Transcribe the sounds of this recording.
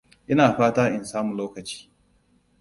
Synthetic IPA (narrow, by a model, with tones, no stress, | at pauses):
ʔɪ˦naː˨ɸaː˦taː˦ʔɪ˨nsaː˦mʊ˨loː˦kɐ˨t͡ʃi̥ː˦